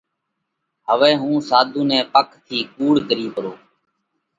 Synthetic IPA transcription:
ɦəʋɛːɦũːsaːd̪ʱũːnɛ̃ːpəkt̪ʰiːkuːɽɡəɾiːpəɾoː

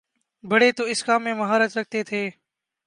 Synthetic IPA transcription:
bʱəɽeːt̪oːɪskaːmːẽːməɦaːɾət͡ʃɾək̚ʰt̪eːt̪ʰeː

